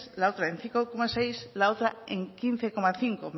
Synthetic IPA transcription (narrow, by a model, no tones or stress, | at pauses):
slaowt̪ɾaẽn̟θiŋkokomasejslaowt̪ɾaḛŋkin̟θekomaθiŋkom